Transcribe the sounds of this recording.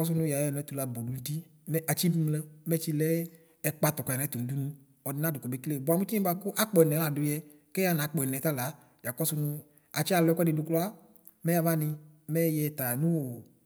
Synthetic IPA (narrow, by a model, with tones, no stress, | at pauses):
kɔ˦s̬ʊ˦nʊ̃˦ja˨ɛ˨n˨˦t̪u˨la˨bo˨du˨˦di˦ | mɛ˦a˨t͡ʃi˦bi˦mlɛ˦mɛ˦t͡ʃi˦lɛ˦ | ɛ˨k͡pa˦t̪ɔ˨kɔ˨a˨n˨˦t̪u˨nũ˨du˦nũ˦ | ɔ˨dɪ˨nã˦du˨kɔ˨be˦kle˦˨bʊ˨a˨mu˦t̪i˦i˦ba˦kʊ˦ʔa˦k͡pɔ˨nɛ˨˦a˨dʊ˨jɛ˦ | kɛ˦a˦nã˨˦k͡pɔ˨ɛ˨nɛ̃˨t̪a˦la˨˦ | ja˨kɔ˦sʊ˦nʊ̃˧ | a˨t͡ʃi˦a˨lɔ˨˦ɛ˦kɛ˦dɪ˨dʊ˨klɔ˦a˦ | mɛ˦ja˨va˦nĩ˧mɛ˦jɛ˨t̪a˨nũ˦wo˨